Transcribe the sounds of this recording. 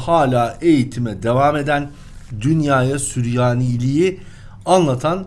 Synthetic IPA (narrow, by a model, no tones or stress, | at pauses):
haːlʲaːe̞jit̪ʰimɛd̪e̞vame̞d̪æn | d̪ynjaːjasyɾjaːnilʲiji | anlˠat̪ʰan